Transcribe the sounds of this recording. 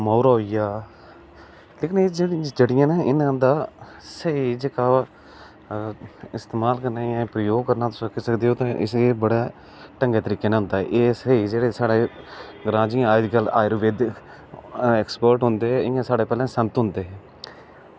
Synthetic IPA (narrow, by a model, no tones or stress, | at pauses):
mɔːɾaːɦoiːjaː | leːkɪneːd͡ʒd͡ʒeːɽɪjãːnaːʔɪnːə̃ːnd̪aː | səiːd͡ʒeːkaː | ɪst̪eːmaːlkəɾnaːjãːpɾəjoːɡkəɾnaːt̪ʊsəkʰːisəkd̪eːɦoːt̪ãːʔɪ̰seːbəɽaː | ʈəŋɡeːt̪əɾiːkeːnãːɦʊ̃nd̪aːɛ̰ʔeːsəiːd͡ʒeːɽeːsaːɽeːɡɾãːd͡ʒiãaːɪd͡ʒɡəlaːɪɾʋeːd̪ | ɛːkspəːɾʈɦʊnd̪eːɦɛʔɪjãːsaːɽeːpɛːlɛ̃ːsənt̪ɦʊ̃nd̪eːɦɛː